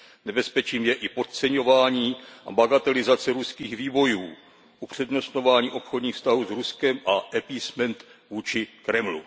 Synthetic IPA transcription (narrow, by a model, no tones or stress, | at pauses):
nɛbɛspɛt͡ʃiːmjɛʔɪpo̞t̪̚t͡sɛɲo̞vaːɲiːʔa̰baɡat̪ɛlɪzat͡sɛɾuskiːxviːvo̞juː | ʔupr̝̥ɛdno̞st̪nɲo̞vaːɲiːʔo̞pxodɲiːxfst̪aɦuːzɾuskɛmʔaʔɛpismɛnt̪vuːt͡ʃɪkɾɛmlṵ